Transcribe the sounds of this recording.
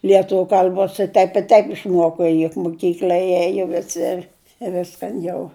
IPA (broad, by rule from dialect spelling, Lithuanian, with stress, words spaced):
lʲiɛˈtʊʋʲʊ kɐlʲˈboːs ɪ ˈtɐɪp ɪ ˈtɐɪp ɪʃˈmuɔkoː jʊk moːˈkʲiːklʲɐ ˈeːjoː jiɛ ʋʲɪˈsʲɪ ɪ ˈʋʲɪskɐn jɛʊ